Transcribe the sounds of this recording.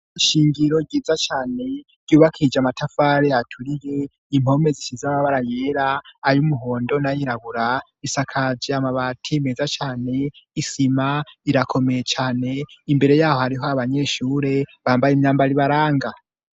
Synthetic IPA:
iʃiːŋɡiɾo̞ɡɟiːzat͡ʃaːne̞ | ɾ̥ɟuːβakʰid͡ʒamatʰafaːɾeatʰuɾije̞ | im̥ho̞me̞ziʃizamaβaɾajeːɾaːjumuɦo̞ːndo̞najiɾaβuɾa | isakʰad͡ʒiamaβatʰimezat͡ʃaːne̞isimaiɾakʰo̞me̞jet͡ʃaːne̞imbe̞ɾe̞jaːho̞haɾiɦo̞aβaɲe̞ːʃuːɾe̞βaːmbajimɲaːmbaɾiβaɾaːŋɡa

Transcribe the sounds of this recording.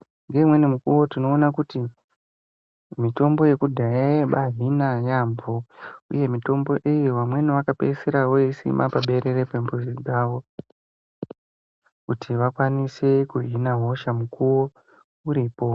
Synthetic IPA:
ŋɡe̞mwe̞nimukuwo̞tino̞ːnakuti | mito̞mbo̞je̞kudʱajajeɓaɦinajamboṵje̞mito̞mbo̞ʔejiʋamwe̞niʋakapeseɾawo̞isḭmapaɓe̞ɾe̞repembuziɡʱaʋo̞ | kutʰiʋakwanisekuɦinaɦo̞ʃamukuwo̞ | uɾiːpo̞

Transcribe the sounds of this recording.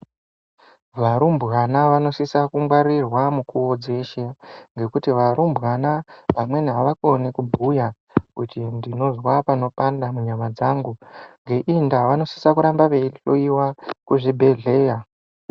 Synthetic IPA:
ʋaɾumbɣanaʋano̞sisakumwaɾirwamukuod͡ze̞ʃeŋɡe̞kutiʋaɾumbʱɣanaʋamwe̞niɦaʋako̞nekubʱuja | kutindino̞zwapano̞pandamuɲamad͡zaŋɡuŋɡe̞ʔindaʋano̞si̥sakuɾambaʋeiɬoiwakuʐibʱe̞ɮe̞ːja

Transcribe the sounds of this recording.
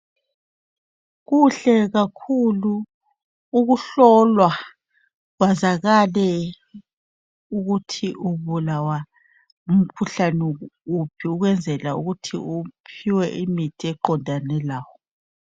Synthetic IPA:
ɣuɬɛɣakʰuluː | ɣuɬɔlwa | ɣwazaɣalɛ | uɣutʰiʔuβulawa | um̩kʰuɬanɛupʰiuɣwɛnd͡zʱɛlauɣutʰḭupʰiwɛʔimitʰiɛǃɔndʱanɛlaːwɔ

